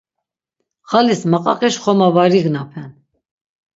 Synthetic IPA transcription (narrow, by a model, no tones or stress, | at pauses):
χalismaqʼɑqʼɛʃχɔmavaɾiɡnapʰɛn